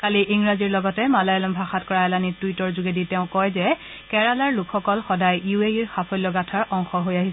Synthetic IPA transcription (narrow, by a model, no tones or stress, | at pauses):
kaliʔiŋɹaziɹlɔɡɔtɛmalajɔlɔmbʱaxatkɔɹaɛlanituitɔɹzuɡeditɛʊ̃kɔjzɛ | kɛɹalaɹlukʰxɔkɔlxɔdajijueiɹxapʰɔjlɔɡatʰaɹɔŋxɔɦojaɦis